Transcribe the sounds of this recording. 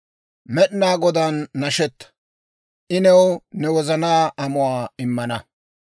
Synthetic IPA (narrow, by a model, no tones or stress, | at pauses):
mɛɗnaːɡɔd̪anːɐʃɛt̪ːɐ̥ | ʔɪnɛwnɛwɔzɐnaːʔɐmʊwaːɪmːɐnɐ